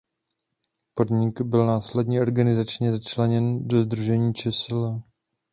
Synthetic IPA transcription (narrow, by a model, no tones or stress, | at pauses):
po̞dɲɪɡbɪlnaːslɛdɲiːʔo̞ɾɡanɪzat͡ʃɲɛzat͡ʃlɛɲɛndo̞zd̪ɾuʒɛɲiːt͡ʃɛsɪlɛ